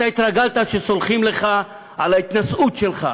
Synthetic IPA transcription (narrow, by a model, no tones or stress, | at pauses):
t̪ait̪ʁaɡalt̪aʃesolχimleχa | alait̪nasut̪ʃelχa̰